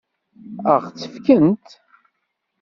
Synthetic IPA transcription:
əʁt͡sːəfkənt̪

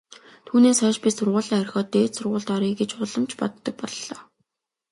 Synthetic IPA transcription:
t̪ʰuːneːsχœːʃpisʊrʁʊːɮiːŋœrʲxʲɔːt̪eːt̪sʊrʁʊːɮt̪ɔɾiːɡet͡ɕʊɮə̆mt͡ɕpɔt̪ːə̆k̚pɔɮɮɔː

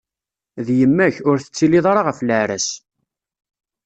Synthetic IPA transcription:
ðjəmːæçʊɾθə̥t͡sːiliðˤɑɾˤɑʁəfləʕɾæ̰s

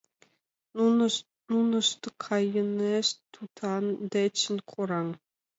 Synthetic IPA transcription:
nunɤ̆ʂt̪ɤkʰɑjɤ̆neʂt̪ʰut̪ʰɑnd̪et͡ɕːɘ̆nʲkʰuɾɑŋ

